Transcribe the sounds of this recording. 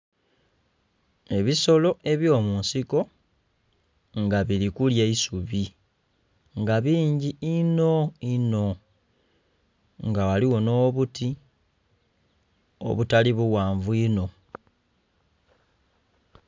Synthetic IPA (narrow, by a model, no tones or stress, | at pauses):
e̞βiso̞lo̞e̞βjo̞ːmuːnsiko̞ | ŋɡaβilikuljeisuβi | ŋɡaβiːɲɟiino̞ino̞ | ŋɡawaliwo̞no̞ːβuti | o̰βutaliβuwaːɱvuino̞